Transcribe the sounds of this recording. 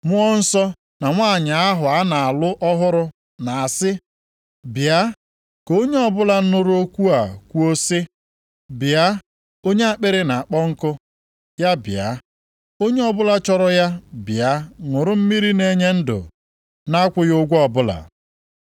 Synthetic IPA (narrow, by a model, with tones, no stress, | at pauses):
mʊ˦ɔ˦n̩˦sɔ˦ | na˨ŋʷaː˦˨ɲa˨a˦ɦʊ˨a˦na˨a˨lʊ˦ʔɔ˦ɦʊ˦ɾʊ˦ | na˨a˨sɪ˦ | bja˦ | ko˦ɲe˦ɔ˦bʊ˦la˨n̩˦nʊ˦ɾʊ˦o˦kʷu˦a˨kʷu˦o˦si˦ | bɪ˨a˦ | o˦ɲe˦a˨k͡pe˦ɾe˦na˨a˨k͡pɔ˦ŋ̩˦kʊ˦ | ja˦bɪ̰˨a̰˨˦ | o˦ɲe˦ɔ˦bʊ˦la˦t͡ʃɔ˦ɾɔ˦ja˦bja˦ŋʷʊ˨ɾʊ˦m̩˦mi˦ɾi˦ne˦ɲe˦n̩˦dʊ̰˨ | na˦kʷʊ˦jʊ˦ɡʷɔ˨bʊ˦la̰˨